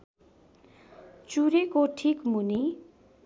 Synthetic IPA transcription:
t͡suɾekoʈʰikmuni

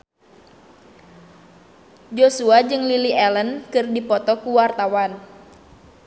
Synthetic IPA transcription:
d͡ʒosuad͡ʒɨŋliliʔɛlənkɨrdipɔt̪ɔkuwart̪awan

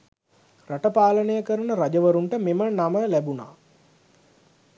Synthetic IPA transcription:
raʈəpaːlənəjəkəɾənəɾad͡ʒəʋəɾuɳʈəmemənaməlæbuna̰ː

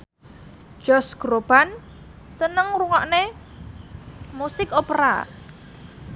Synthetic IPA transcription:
ʒ̥ɔsɡ̥ɾob̥an | sənəŋruŋɔʔne | musɪkopəɾa̰

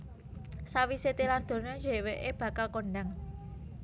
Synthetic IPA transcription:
sawiset̪ilard̪̥o̤nɔd͡ʒe̤weʔeb̥ä̤kalkonɖaŋ

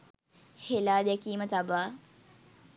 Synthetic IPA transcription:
helaːd̪ɛkiːmət̪abaː

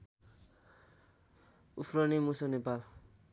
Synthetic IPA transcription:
ufɾʌnemusʌnepal

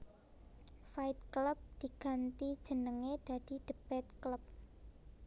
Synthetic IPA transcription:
faɪt̪̚kləp̚d̪̥i̤ɡ̥a̤nt̪i̥ʒ̥ə̤nəŋed̥a̤d̥i̤ɖ̥əb̥ɛt̪kləp̚

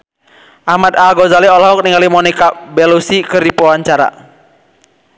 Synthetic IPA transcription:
ʔahmat̪aɡɔzaliɔlɦɔk̚niŋalimɔnikabɛlusikɨrdipɔwaɲt͡ʃaɾa̰

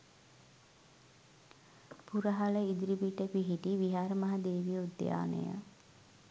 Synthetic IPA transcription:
puɾəɦaləid̪ɾibiʈəpiɦiʈiʋiɦaːɾəmaɦad̪eːʋiud̪ːja̰ːnə̰jə̰

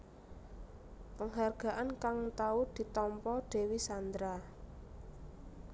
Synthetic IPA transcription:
pəŋɦarɡ̥a̤ʔankaŋt̪aud̪̥i̤t̪ɔmpɔɖ̥e̤wisand̪ɾa

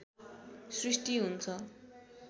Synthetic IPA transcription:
srisʈiɦunt͡sʰʌ

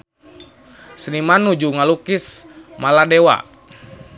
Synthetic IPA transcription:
snimanud͡ʒuŋalukismaladɛwa̰

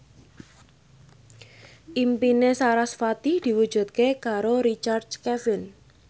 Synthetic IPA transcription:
ʔimpinesaɾasfat̪ihd̪̥i̤wud̥ʒ̥ṳt̪̚kekaɾoɾit͡ʃard̪kɛfɪn

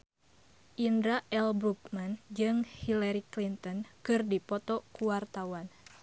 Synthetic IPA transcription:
ʔindɾaʔɛlbɾukmand͡ʒɨŋhilaɾiklint̪ɔnkɨrdipɔt̪ɔkuwart̪awan

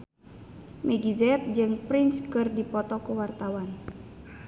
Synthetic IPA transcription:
mʔeɡizɛt̪̚d͡ʒɨŋpɾinskɨrdipɔt̪ɔkuwart̪awan

